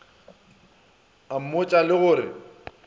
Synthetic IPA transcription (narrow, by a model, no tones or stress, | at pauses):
am̩mʊt͡ʃʼalɪɣʊːɾɪ̰